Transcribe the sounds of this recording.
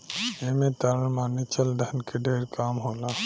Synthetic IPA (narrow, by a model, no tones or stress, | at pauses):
eːmẽt̪aːɾəmãnɪt͡ʃəld̪ʱənkeɖʱeːɾkaːmɦoːlaː